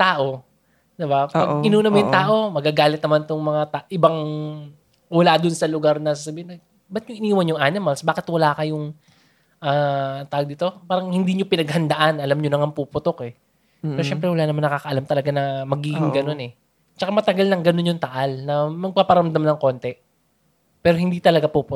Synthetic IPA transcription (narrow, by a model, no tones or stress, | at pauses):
t̪aːʔo̞ | d̪ɪbapɐɡɪnuːnɐmojʊŋt̪aːʔo̞mɐɡaɡaːlɪt̪̚nɐmant̪ʊŋmɐŋat̪aʔɪbaŋ | wɐlad̪ʊnsɐlʊɡaɾnɐsasɐbiːhɪnɐ | bɐt̪̚jʊŋʔɪniːwɐnjʊŋʔanɪmɐlsbaːkɪt̪wɐlaːkɐjʊŋ | ʔaːt̪aːwɡ̚d̪it̪o̞paːɾɐŋhɪnd̪iɲopɪnɐɡ̚hɐnd̪ɐʔanɐlamɲonɐŋɐŋpupʊt̪okɛ | ɛɾoʃɛmpɾɛwɐlaːnɐmanːɐkaːkɐʔɐlamt̪ɐlɐɡanɐmɐɡiːɡɪŋɡɐno̞nɛ | t͡ʃɐkamɐt̪ɐɡalnɐŋɡɐnonɲʊŋt̪ɐʔalnɐmɐɡ̚papɐɾɐmd̪amnɐŋko̞nt̪ɛ | pɛːɾohɪnd̪it̪ɐlɐɡapupʊ